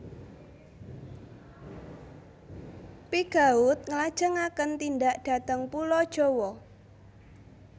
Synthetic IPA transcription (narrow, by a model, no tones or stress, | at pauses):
piɡ̥aʊt̪̚ŋəlad̥ʒ̥əŋakənt̪indaʔdɖ̥a̤t̪əŋpulɔd̥ʒ̥owɔ